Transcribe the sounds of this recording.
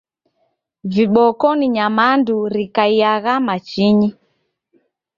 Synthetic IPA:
viɓɔkɔniɲamanduɾikaijaɣamat͡ʃiɲi

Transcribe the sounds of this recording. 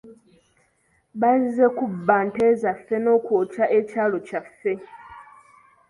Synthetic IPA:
βazzekubːaːntezafːe̞no̞ːkwoːt͡ʃaʔecaːlo̞cafːe̞

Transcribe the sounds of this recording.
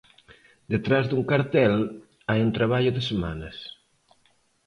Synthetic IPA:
d̪et̪ɾazd̪uŋkaɾt̪ɛl | ajunt̪ɾaβ̞aʎoðesema̰nɐs

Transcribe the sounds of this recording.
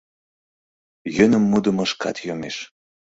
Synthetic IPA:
jønə̆mːud̪ə̆məʃkɑ̰t̪jomeʃ

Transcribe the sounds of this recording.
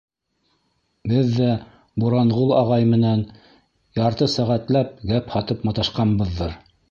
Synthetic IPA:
bɘðːæ | buɾɑɴʁulˠɑʁɑjmɘ̆næn | jɑɾt̪ɤsæʁæt̪læp̚ɡæphɑt̪ɤpmɑt̪ɑʃqɑnbɤ̆ðːɤɾ

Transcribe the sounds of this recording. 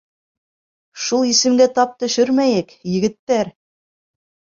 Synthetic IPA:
ʃulˠisɘ̆mɡæt̪ɑp̚t̪ɵ̆ʃɵɾmæjɘkjɘ̆ɡɘ̆t̪ːæɾ

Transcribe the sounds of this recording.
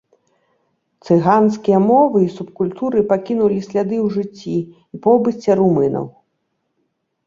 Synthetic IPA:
t̪sɨɣanskʲijɐmɔvɨisupkulʲt̪uɾɨpakʲinulʲisʲlʲad̪ɨwʐɨt͡sʲːi | ipɔbɨt͡sʲːɛɾumɨnɐ̰w

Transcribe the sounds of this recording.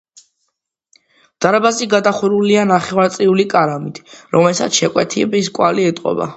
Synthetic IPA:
d̪̥aɾabaziɡad̪aχuɾulianaχɛvaɾt̪sʼiulikʼaɾamit̪ʰɾɔmɛlsa̰t̪sʃɛkʼwɛt̪ʰiɛbiskʼwaliɛt̪ʼqʼɔ̰ba̰

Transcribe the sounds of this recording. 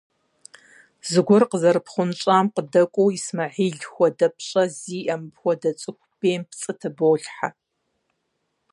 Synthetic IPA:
zɨɡʷʊrqəzɐɾɨpʰχʷʊnɕʼaːmqədɐkʷʼowismɐʕiːɮxʷɔdɐpʰɕʼɐziːʔɐmpxʷɔdɐt͡sʼɨkʷʰʼb̥eːmpʰt͡sʼɨtʰɐboːɬħa

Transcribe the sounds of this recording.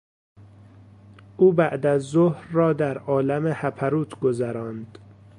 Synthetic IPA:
ʔuːbæʔd̪æzːohɾːɒːd̪æɾɒːlæmehæpʰæɾuːt̪ʰɡozæɾɒːnd̪̥

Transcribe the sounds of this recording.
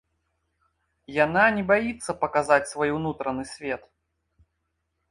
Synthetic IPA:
jananʲɛbajit̪sːɐpɐkazat͡sʲsvɔjwnut̪ɾɐnɨsʲvʲɛt̪

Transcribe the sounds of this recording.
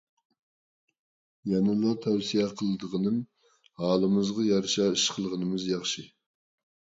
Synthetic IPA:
jɛnɨlˠɑt̪ʰɛwsijɛqʰəlˠɨd̪əʁənɨm | hɑːlˠɨmɨzʁɑjɑɾʃɑiʃqʰəlˠʁənɨmɨzjɑχʃi

